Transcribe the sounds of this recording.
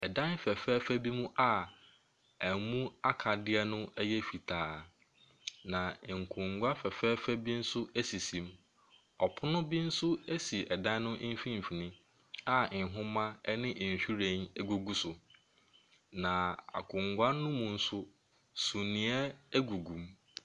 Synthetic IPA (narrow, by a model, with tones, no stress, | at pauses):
ɛ˨dã˦n˦fɛ˨fɛː˦fæ˦bi˦mũ˦ʔa˦ | æ˨mũ˦a˦kʰa˨dɪ˦ɛ˦nʊ̃˦ɛ˦jɛ˦fi˨tʰaː˨˦ | nã˨ŋ̩˨kʰʊ̃˨ŋɡʷa˦fɛ˨fɛː˦fæ˦bi˦n̩˦sʊ˦æ˦si˨sĩ˨m | ɔ˨pʰʊ˦nʊ̃˦bi˦n̩˦sʊ˦e˦si˨ɛ˨dã˦n˦nʊ̃˦ʔm̩˦fĩ˦m̩˨fi˨nĩ˦ | a˦˨ɪ˨ɦʊ̃˦mã˦nɪ̃˦ʔɕᶣi˦ɾẽ˨ne˦ɡu˨ɡu˦sʊ˨ | nã˨a̰˨kʰʊ̃˨ŋɡʷa˦nʊ̃˦mũ˨n̩˦sʊ˦ | sũ˨nĩ˨ɛ˦æ˦ɡu˨ɡũ˨m